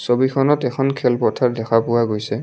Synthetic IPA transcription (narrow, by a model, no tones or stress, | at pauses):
sobikʰɔnɔtɛkʰɔnkʰɛlpɔtʰaɹdɛxʰapʊwaɡojsɛ